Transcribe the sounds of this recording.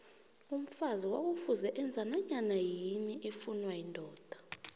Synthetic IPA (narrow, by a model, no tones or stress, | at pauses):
um̩faziwak̬ufuzɛʔɛnd͡zʱanaɲanajimiʔefunwajindʱɔːd̥ʱḁ